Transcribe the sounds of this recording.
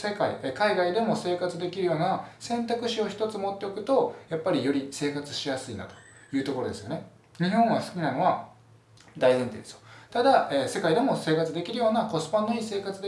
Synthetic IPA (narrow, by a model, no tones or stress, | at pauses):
se̞kaiekaiɡaid̪e̞mo̞se̞ːkat͡sɨd̪e̞kʲiɾɯ̟jo̞ːnasẽ̞nt̪akɯ̟ɕio̞çi̥t̪o̞t͡sɨmo̞t̪ːe̞okɯ̟t̪o̞japːaɾʲijo̞ɾʲise̞ːkat͡sɨ̥ɕijasɨina̰t̪o̥ | jɯ̟ːt̪oko̞ɾo̞d̪e̞sɨjone | ɲ̟iɦõ̞ɰ̃βasɨ̥kʲinano̞βa | d̪aizẽ̞nt̪ḛːd̪esɨ̥o̥t̪ad̪aeːse̞kaid̪e̞mo̞seːkat͡sɨd̪e̞kʲiɾɯ̟jo̞ːnako̞sɨ̥pãnːoise̞ːkat͡sɨd̪e